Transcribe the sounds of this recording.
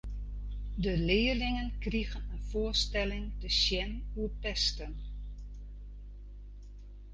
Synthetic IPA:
dəlɪːəlɪŋənkriɣənənfʊːəstɛlɪŋdəʃjɛnuəpɛstən

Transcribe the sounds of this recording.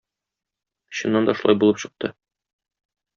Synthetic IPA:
ɕɤ̆nːɑnd̪ɒʃulˠɑjbulˠɤpɕɤ̆q̚t̪ʰɤ

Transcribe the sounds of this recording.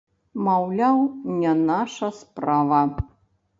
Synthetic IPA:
mawlʲawnʲɛnaʂɐspravɐ

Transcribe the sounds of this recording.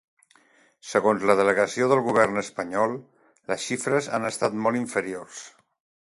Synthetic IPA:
səɣonzləðələɣəsioðəlˠɣuβ̞ɛrnəspəɲɔlˠ | ləsʃifɾəza̰nəst̪at̪mɔlˠiɱfəɾiors

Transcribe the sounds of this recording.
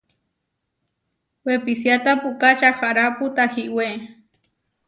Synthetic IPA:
wepisjat̪apukat͡ʃaxaɾaput̪ahiʔwe

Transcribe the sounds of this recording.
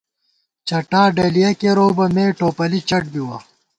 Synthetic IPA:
t͡ɕɐʈaːɖɐːlijɐkeɾoːbɐmeːʈoːpɐlit͡ɕɐʈ̚biwɐ

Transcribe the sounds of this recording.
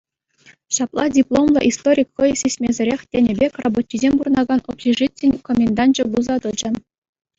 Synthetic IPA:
ɕɑplˠɑdʲiplˠomlˠɤ̰̆ʔist̪oɾʲikχɤjsʲesʲmʲezʲɘ̆ɾʲexʲtʲenʲebʲekʲrobot̪ʲːizʲemʲburɤ̆nɑɡɑnopɕʲiʐitʲːĕnʲkomʲend̪ɑnd͡ʑɤ̆buzɑd̪ɤ̆d͡ʑɤ̆n

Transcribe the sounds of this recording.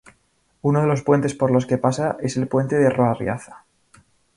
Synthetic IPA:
uno̞ð̞e̞lo̞spwe̞nt̪e̞spo̞ɾlo̞ske̞pasaʔe̞se̞lpwe̞nt̪e̞ðeroarj̰a̰θḁ

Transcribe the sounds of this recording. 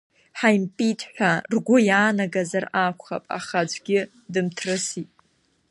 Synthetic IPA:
ħajmpʼitʰħʷᶣarɡʷʊjaːnaɡazarakʷʰχa̰pʼa̰χad͡ʒʷʰʼɡʲɪ | dɨmtʰrɨsitʼ

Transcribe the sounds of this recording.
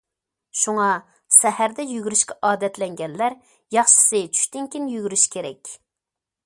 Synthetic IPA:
ʃuŋɑ | sɛhæɾd̪ɛjyɡʲyɾyʃkʲɛʔɑːd̪ɛt̪lɛŋɡʲɛnlæɾ | jɑχʃɪ̥sɨt͡ʃʰy̥ʃt̪ɪŋkʲinjyɡʲyɾyʃkʲʰeɾɛ̰kʲ

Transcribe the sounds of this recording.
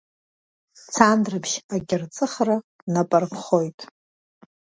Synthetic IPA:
t͡sʰandrɨbʃaɡʲɪrt͡sʼɨχra | napʼarpʰχo̞jtʼ

